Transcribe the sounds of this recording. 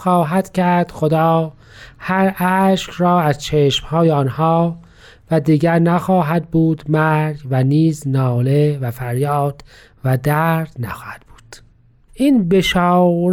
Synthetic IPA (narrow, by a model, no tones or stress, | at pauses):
xɑːɦæd̪̥cʰæɾd̪̥xod̪ɑː | hæɾæʃkɾɒːæzt͡ʃʰeːʃmhɒːjeɒnhɒː | væd̪iːɡæɾnæxɑːɦæd̪̚buːd̪mæɾɡvæniːznɒːlevæfæɾjɑːd̪̥ | væd̪æɾd̪̥næxɑːhæd̪̥̚b̥u̥ːd̪̥ | ʔiːnbeʃɑːɾ